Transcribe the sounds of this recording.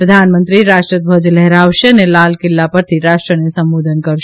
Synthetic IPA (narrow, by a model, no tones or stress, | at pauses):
pɾəd̪ʱanmə̃nt̪ɾiɾaʃʈɾəd̪̚bʱəd͡ʒlɛɦɾaʋʃenelalkɪlːapəɾt̪ʰiɾaʂʈɾənesə̃mbod̪ʱənkəɾʃ